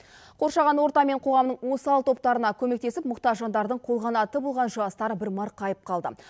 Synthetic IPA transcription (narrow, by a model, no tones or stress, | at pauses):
qʰo̞ɾʃɑʁɑnwoɾt̪ɑme̞ɴqʰo̞ʁɑmnəɴwo̞səɑlˠt̪ʰo̞p̚t̪ɑɾənɑkʲʰɵme̞k̚t̪e̞sɪp̚mʊqt̪ɑʒɑnd̪ɑɾd̪əɴqʰo̞lˠʁɑnɑt̪əbolˠʁɑnʒʊɑst̪ɑɾəbɪɾmɑɾqʰɑjəp̚qʰɑlˠd̪ə̰